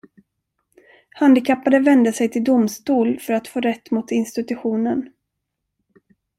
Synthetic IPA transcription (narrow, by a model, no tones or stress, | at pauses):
hand̪ɪkʰapːaɾəvɛnd̪əsɛjt̪ʰɪld̪ʊmst̪uːlfœɾat̪foːɾɛt̪ːmʊt̪ɪnst̪ɪt̪ɵɧuːnən